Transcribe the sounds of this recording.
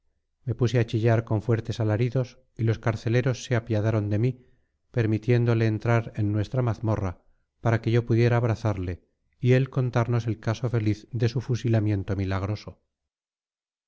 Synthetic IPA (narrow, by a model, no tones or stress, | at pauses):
me̞puse̞at͡ʃiʎaɾko̞ɱfwe̞ɾt̪e̞salaɾiðo̞s | ilo̞skaɾθe̞le̞ɾo̞sːe̞apjaðaɾo̞nd̪e̞mi | pe̞ɾmit̪je̞nd̪ole̞ːnt̪ɾaɾe̞nːwe̞st̪ɾamaθmo̞ra | paɾake̞ʝo̞puðje̞ɾaːβ̞ɾaθaɾle̞ | ie̞lko̞nt̪aɾno̞se̞lkaso̞fe̞liθðe̞sufusilamje̞nt̪o̞milaɣ̞ɾo̞so̞